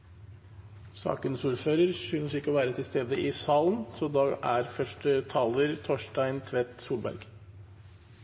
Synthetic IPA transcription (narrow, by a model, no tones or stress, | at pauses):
sɑ̰ːkənsuːɾføːɾəɾsʉnsɪkːəɔʋæːɾət̪ʰɪlst̪eːd̪əʔɪsɑːlənsɔd̪ɑʔæɾfœʂʈət̪ʰɑːləɾt̪ʰɔʂʈæɪnt̪ʰʋɛt̪suːlbæ̰ɾɡ